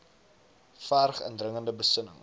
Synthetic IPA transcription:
farχə̰ndrəŋəndəbəsənə̰ŋ

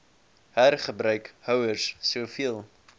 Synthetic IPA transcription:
hærχəbɾœɥkhœwərsːufiəlˠ

